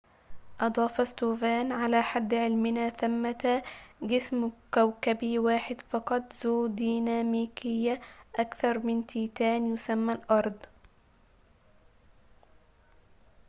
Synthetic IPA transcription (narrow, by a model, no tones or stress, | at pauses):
ʔɑd̪ˤɑːfɑst̪oːvaːnʕalaːħad̪ːʕɪlmɪnaːθamːat̪ɡɪsmkawkabiwaːħɪd̪fɑqɑt̪ˤzoːd̪iːnaːmiːkɪjːaʔakθɑɾˤmɪnt̪iːt̪aːnjʊsamːalʔɑɾˤd̪ˤ